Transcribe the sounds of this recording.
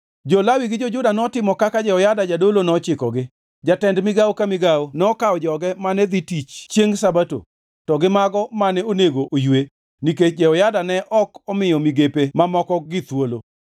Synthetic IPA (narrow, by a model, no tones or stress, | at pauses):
d͡ʒɔlawiɡɪd͡ʒɔd͡ʒʊdanɔtɪmɔkakad͡ʒɛɔjadad͡ʒadolonɛɔt͡ʃɪkɔɡɪ | d͡ʒatɛndmɪɡawkamɪɡawonɛɔkawɔd͡ʒɔɡɛmanɛd̪itit͡ʃt͡ʃjeŋsabato̰ | tɔɡɪmaɡɔmanɛoneɡoʔojwe | niket͡ʃd͡ʒɛɔjadanɛʔɔkɔmɪjɔmiɡepemamɔkɔɡɪt̪wolo